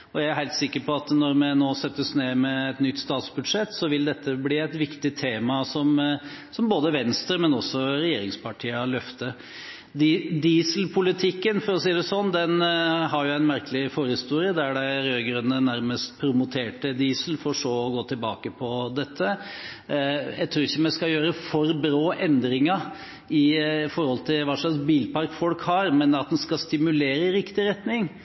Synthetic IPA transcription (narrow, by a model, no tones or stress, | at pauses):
ɔjææɾɦæɪlt̪sɪkːəpʰɔɑt̪nɔɾmɛnoːsɛt̪ːəsneːmɛɛt̪nʏt̪ːst̪ɑːt̪sbʉd̪ʂɛt̪ːsɔʋɪld̪ɛt̪ʰːəbliːæɪt̪ʋɪkt̪ɪt̪ʰeːmɑsɔmsɔmboːd̪əʋɛnst̪ɾəmɛnɔsːɔɾɛjeːɾɪŋspʰɑʈʰiːɑlœft̪ə | d̪id̪iːslpʰʊlɪt̪ʰɪkːənfɔɾɔsiːd̪ɛsɔnːd̪ɛnɦɑɾjʊæɪnmæɾkəlɪfoːɾəhɪst̪uːɾɪəd̪æɖæɪɾøːɡɾʉnːənæɾməst̪̚pʰɾʊmʊt̪ʰeːʈəd̪iːsəl̩fɔɾʂoːɔɡoːt̪ʰɪlbɑ̰ːkəpʰɔd̪ɛt̪ʰːə | jæ̰ɪt̪ʰɾʉːɾɪçːəmɛskɑjøːɾəfɔɾbɾoːʔɛnd̪ɾɪŋɑ | ɪfɔɾhɔlt̪ʰɪlʋɑːʂɑksbiːlpɑɾkfɔlkhɑɾmɛnɑt̪̚d̪ɛnskɑst̪ɪmʉleːɾəɪɾɪkt̪ɪɾɛt̪nɪŋ